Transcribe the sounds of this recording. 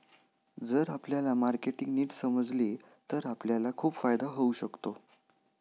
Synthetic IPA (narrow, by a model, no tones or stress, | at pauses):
d͡zəɾapljalamaɾkeʈiŋɡniːʈsəməd͡zle | t̪əɾapljalakʰuːpfajd̪aɦəuɕəkt̪o